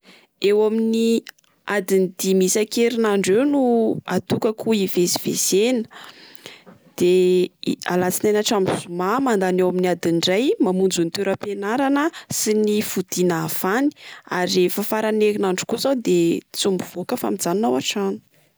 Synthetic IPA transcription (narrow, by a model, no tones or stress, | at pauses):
ewamini | ad̪inid̪imisakeɾinaɳɖ͡ʐewnua̰t̪ukəkuivesi̥v̥ḛz̥enə̥ | d̪̥e | a̰lat͡sinajnaʈ͡ʂamzumamand̪anewaminiad̪iɳɖ͡ʐajmamund͡zunit̪eɾəpenaɾanəsinifud̪̥inav̥ani̥aɾiefəfaɾanekinaɳɖ͡ʐu̥kuzawd̪et͡sumbuv̥okəfa̰mid͡zaninawaʈ͡ʂanu̥